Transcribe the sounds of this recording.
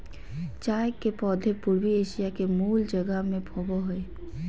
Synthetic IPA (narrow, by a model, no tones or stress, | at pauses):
t͡ʃaːjkepɔːd̪ʱepʊɾwieːʃijakemuːld͡ʒəɡəmẽpʰɔboɦʊe